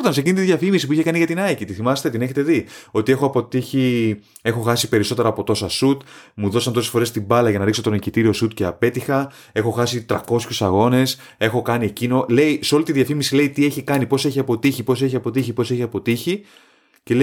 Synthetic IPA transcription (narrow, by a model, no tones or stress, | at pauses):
t̪ɐnse̞cinit̪iðʝɐfimisip̬uiçekɐniʝɐt̪inɐicit̪iθimɐst̪et̪ine̞çe̞t̪e̞ðio̞t̪ie̞xoɐpo̞t̪içi | e̞xo̞xɐsipe̞ɾiso̞t̪e̞ɾɐːpo̞t̪o̞sɐsut̪muðo̞sɐnt̪osefo̞ɾe̞st̪ibɐlɐʝɐnɐɾikso̞t̪o̞nicit̪iɾio̞sut̪ceɐpe̞t̪ixɐ | e̞xo̞xɐsit̪ɾɐko̞sçusɐɣo̞ne̞s | e̞xo̞kɐnie̞cino̞le̞jseo̞lit̪iðʝɐfimisile̞it̪ie̞çikɐnipo̞se̞çiɐpo̞t̪içipo̞s̬e̞çiɐpo̞t̪içipo̞se̞çiɐpo̞t̪içi | ce̞le